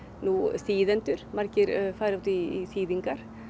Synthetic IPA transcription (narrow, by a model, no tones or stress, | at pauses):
nuːsiːðɛnt̪ʉɾmɑɾkəɾfɑɪɾɔt̪ɪsiːd̪ɪŋkɑɾ